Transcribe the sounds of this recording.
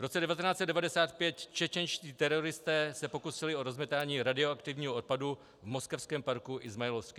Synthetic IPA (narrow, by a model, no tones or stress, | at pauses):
vɾo̞t͡sɛdɛvat̪ɛnaːt͡sɛt̪dɛvadɛsaːt̪̚pjɛt̪t͡ʃɛt͡ʃɛnʃciːt̪ɛɾo̞ɾɪst̪ɛːsɛpo̞kusɪlɪo̞ɾo̞zmɛt̪aːɲiːɾadɪoakt̪ɪvɲiːɦoot̪̚padu | vmo̞skɛfskɛːmpaɾkuʔɪzmajɛlofskɪ